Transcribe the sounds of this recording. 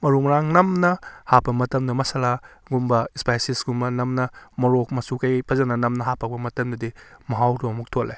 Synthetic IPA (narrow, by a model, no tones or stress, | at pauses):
mɐɾumɾaŋnɐmnɐhapɐmɐtɐmdɐmɐsɐla | ɡumbɐispajsisɡumbɐnɐmnɐmoɾok̚mɐsukɐjpʰɐzɐnɐnɐmnɐɦapʰɐk̚bɐmɐtɐmdɐdimɐɦawtoɐmuk̚tʰolːḛ